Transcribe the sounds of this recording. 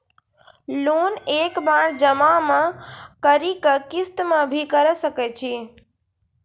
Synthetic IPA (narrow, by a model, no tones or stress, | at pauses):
lonekbaɽd͡ʒəmamãkəɾikəkist̪mabʱikəɾəsəkɛt͡ʃʰi